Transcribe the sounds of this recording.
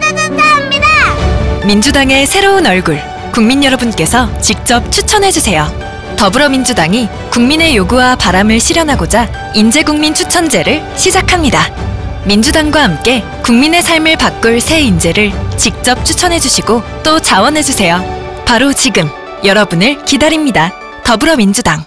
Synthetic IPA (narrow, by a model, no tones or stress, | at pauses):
mind͡ʑudaŋe̞sʰe̞ɾoɯnʌɭɡuɭ | kuŋminjʌɾʌbunk͈e̞sʰʌt͡ɕik̚t͡ɕ͈ʌp̚t͡ɕʰut͡ɕʰʌnɦe̞d͡ʑusʰe̞jo | tʌbɯɾʌmind͡ʑudaŋi | kuŋmine̞joɡuwapaɾamɯɭɕʰiɾjʌnɦaɡod͡ʑa | ind͡ʑe̞ɡuŋmint͡ɕʰut͡ɕʰʌnd͡ʑe̞ɾɯɭ | ɕʰid͡ʑakʰamɲidamind͡ʑudaŋɡwahamk͈e̞ | kuŋmine̞sʰaɭmɯɭpak͈ɯɭsʰe̞ind͡ʑe̞ɾɯɭt͡ɕik̚t͡ɕ͈ʌp̚t͡ɕʰut͡ɕʰʌnɦe̞d͡ʑuɕʰiɡot͈ot͡ɕawʌnɦe̞d͡ʑusʰe̞jo | paɾot͡ɕiɡɯm | jʌɾʌbunɯɭkidaɾimɲida | tʌbɯɾʌmind͡ʑudaŋ